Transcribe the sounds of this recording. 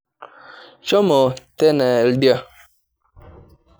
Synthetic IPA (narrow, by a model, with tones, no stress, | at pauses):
t͡ʃɔ˦mɔ˨tɛ˦nɛ˨ldja˦